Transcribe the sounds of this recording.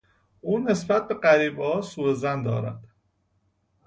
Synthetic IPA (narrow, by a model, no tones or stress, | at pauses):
ʔuːne̞sbæt̪̚be̞ɢæɾiːbɒːsuːɾezænd̪ɒ̰ːɾæ̰d̪̥